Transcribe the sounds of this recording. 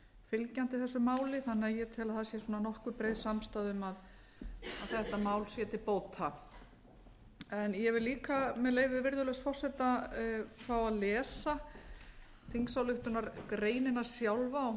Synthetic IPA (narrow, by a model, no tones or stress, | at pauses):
fɪlcan̥t̪ɪθɛsːʏmaːwlɪθanːɪaðjɛt̪ʰɛːlaðθasjɛsuːnanɔhkʏpɾeːjðsamst̪aːðʏmað | aðθɛht̪amaːwlsjɛːt̪ɪpoːwt̪ha | ɛnjɛvɪliːkamɛðleːjvɪvɪɾðʏlœɣsfɔr̥sɛt̪a | fawaðlɛːsa | θiŋksawlʏht̪ʏnaɾkɾeːjnɪnaɾ̥sjawlvaɔ